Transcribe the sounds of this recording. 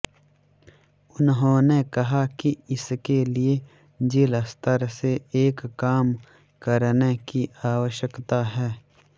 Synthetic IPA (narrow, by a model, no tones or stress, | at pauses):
ʊnɦõːnekɐɦakiɪskelie | d͡ʒiləst̪əɾseeːkːaːm | kəɾnekiʔaːwəʃəkt̪aɦɛː